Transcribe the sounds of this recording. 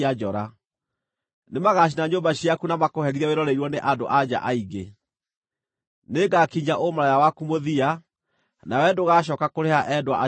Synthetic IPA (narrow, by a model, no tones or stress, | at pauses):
ad͡ʒɔɾa | nemaɣaɕ̬inaɲoːmbaɕiakunamakohɛɾiɾɛweɾɔɾeiɾwɔneʔado̰ʔad͡ʑa̰ʔaiɣɡe | neɡakiɲaʔomaɾajawakumoðia | nawɛdoɣaɕ̬ɔːkakoɾeaʔɛdwa̰ʔa